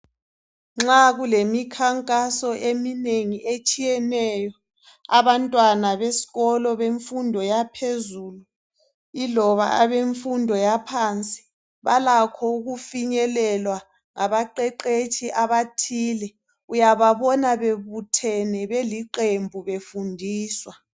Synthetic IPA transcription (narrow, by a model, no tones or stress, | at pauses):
ŋ͡ǁaɣulemikʰaŋkʼasɔʔemineŋiʔet͡ʃʼijɛnɛjɔ | aβantʼwanaβesi̥ɣɔlɔβeɱfundʱɔjapʰezuːlu | ilɔβa̰aβeɱfundʱɔjapʰant͡sʼi̥ | βalakʰɔuɣufiɲɛlɛlwa | ŋaβaǃɛǃet͡ʃʰiʔaβatʰiːlɛ | ujaβaβɔnaβeβutʰɛnɛβeliǃembʱuβefundʱiːswa